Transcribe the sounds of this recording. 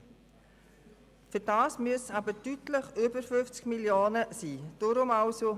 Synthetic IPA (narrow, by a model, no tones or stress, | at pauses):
fyɾd̥ɑːsmyəsɑbətytləχʏbəɾfʏft͡skmiljoːnəsiːd̥ʊɾʊmɑʊso